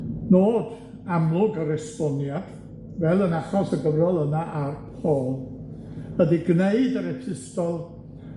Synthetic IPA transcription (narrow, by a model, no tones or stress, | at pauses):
noːd | amlˠʊɡəɾɛstɔnjad̥ | vɛlˠənaχɔsəɡəvrɔlˠənaʔarpʰoːlˠ | ədiɡneɨdəɾɛpʰɪstɔlˠ